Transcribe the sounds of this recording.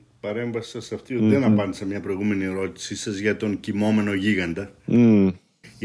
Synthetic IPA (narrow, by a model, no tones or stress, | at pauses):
pɐɾe̞ɱvɐsi̥sɐsɐft̪iot̪iðenɐppɐnd̪esɐmɲɐpɾo̞jɣume̞nieɾo̞t̪i̥sisɐzʝɐt̪o̞ŋcimo̞me̞no̞ʝiɣɐnd̪ɐ